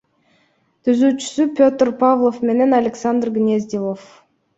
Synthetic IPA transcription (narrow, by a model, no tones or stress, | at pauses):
t̪yzyt͡ʃʏ̥sypʲot̪rpavlˠofmʲenʲenalʲeksand̪rɡnʲezʲd̪ʲilˠof